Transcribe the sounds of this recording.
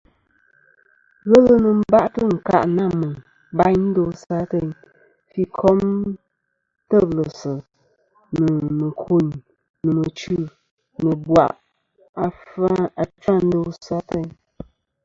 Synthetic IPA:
ɣɛ˦lə˦nə˨m̩˦ba˦ʔtə˦˨ŋ̩˨ka̰˦˨ʔna˦˨mɨ˨ | ba˦ɲn̩˦do˦sa˦te˦ɲ | fi˦kʰɔ˦m | tə˦˨blə˨sə˨ | nə˨mə˨kʰu˦˨ɲ | nɨ˨mə˨t͡ʃʉ˦˨ | nə˨bwa̰˨ʔ | a˨fa˦a˨t͡ʃa˦˨n̩˦do˦sa˦te˦ɲ

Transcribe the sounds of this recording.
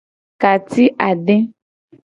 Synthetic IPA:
ka˨t̪i˦ʔa˨ɖe˦

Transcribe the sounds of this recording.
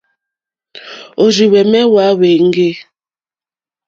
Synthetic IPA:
o˨ɾi˨wɛ˨mɛ˦wa˨˦we˨ŋ̩˦ɡe˦

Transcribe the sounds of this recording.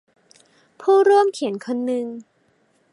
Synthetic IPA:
pʰuː˥˩ɾuː˥˩əmkʰi˨˩˦ənkʰo˧nːɯ˧ŋ

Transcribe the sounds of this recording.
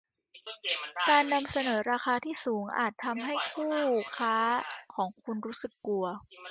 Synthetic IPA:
kaː˧nːa˧msa˧nɤː˩˦ɾaː˧xaː˧t̪ʰiː˥˩suː˩˦ŋʔa̰ː˨˩t̪ʰːa˧mɦa˥˩jkʰuː˥˩kʰaː˦˥kʰɔː˩˦ŋkʰu˧nɾuː˦˥sɯ˨˩kːu˧ɐ

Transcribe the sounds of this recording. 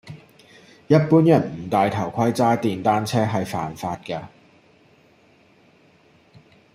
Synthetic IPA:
jɐ˥t̚puː˥njɐ˨˩nm̩˨˩t̪aː˨jt̪ʰɐ˨˩wkʷʰɐ˥jt͡saː˥t̪iː˨nt̪aː˥nt͡sʰɛː˥ɦɐ˨jfa̰ː˨nfaː˧t̚kɐː˧

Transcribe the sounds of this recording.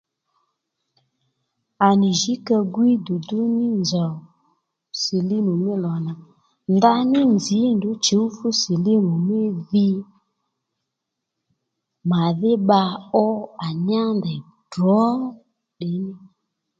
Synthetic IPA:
a˨nɪ˨ʒi˨˦ka˧ɡwi˦du˨dʊ˦nɪ˦nzɔ˨ | se˨li˦mu˨mɪ˦lɔ˨na˨ | nda˧˦nɪ˦nzi˨˦ndʊ˨˦t͡ʃe˨˦u˦fu˦si˨li˦nu˨mɪ˦ði˦ | ma˨ðɪ˦ɓa˧ɔ˦a˨ɲ˦a˦ndɛ˨ | d̥ɔ˨˦ | ɗɪ˨˦nɪ˦

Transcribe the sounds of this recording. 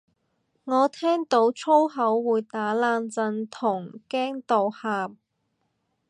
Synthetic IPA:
ŋɔː˨˧t̪ʰɛː˥ŋt̪o˨˥wt͡sʰo˥wɦɐ˨˥wːuː˨˧jt̪aː˨˥laː˧nt͡sɐ˧nt̪ʰʊ˨˩ŋkɛː˥ŋt̪o˨whaː˨p̚

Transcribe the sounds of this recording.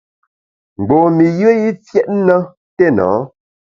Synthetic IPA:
ŋ͡m̩˨ɡ͡bo˨mi˨jə˦ji˦fjɛ˦ʔnə˦ | te˦nɔ̰ː˨˦

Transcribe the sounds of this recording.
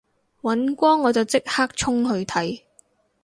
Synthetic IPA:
wɐ˨˥nkʷɔː˥ŋːɔː˨˧t͡sɐ˨˩wt͡sɪ˥k̚haː˥k̚t͡ʃʰʊ˥ŋɦɵ˧ɥt̪ʰɐ˨˥j

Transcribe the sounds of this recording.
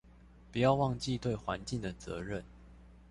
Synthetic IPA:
pu˨˩jɑ˥˧ʊwɑ˥˧ŋt͡ɕi˥˧t̪we˥˨ɪxwa˧˦nt͡ɕi˥˩ŋd̪ə˩t͡sɤ̰˧˦ɻə˥˨n

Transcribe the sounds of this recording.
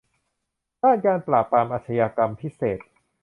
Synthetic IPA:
daː˥˩nkaː˧npɾaː˨˩pːɾaː˧mʔaː˨˩t̪̚ʰa˧jaː˧ka˧mpʰi˦˥seː˨˩t̪̚

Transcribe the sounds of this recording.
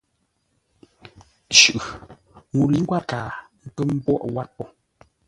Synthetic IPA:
t͡ʃʉ˨ʔ | ŋu˨li˨˦ŋ˦ɡwa˦kaː˨ŋ̩˦˨kə˦m̩˦bwɔ˦ʔwa˦t̚pɔ˦

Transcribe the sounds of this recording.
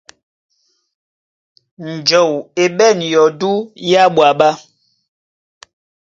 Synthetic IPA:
n̩˨d͡ʒɔ˨we˨ɓɛ˦˨njɔ˨du˦ja˦ɓwa˨ɓa˦

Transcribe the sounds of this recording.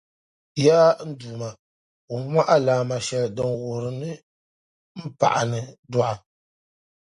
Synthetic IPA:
ja˦n̩˦duː˨ma˨ | u˨˦mʷa˦ʔa˦laː˨ma˨ʃɛ˨ldɨ˨nwo˨ɾɨ˨nɨ˦ | m̩˦pa̰˨ʔa̰˨nɨ˨dɔ˦ʔa˨

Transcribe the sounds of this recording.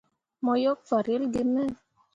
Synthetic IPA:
mɔ˧jo˦k̚fa˨ɾi˦lɡi˦mɛ˦

